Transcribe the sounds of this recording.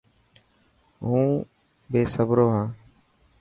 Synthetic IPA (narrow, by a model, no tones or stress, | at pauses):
ɦũː | beːsəbɾoːɦãː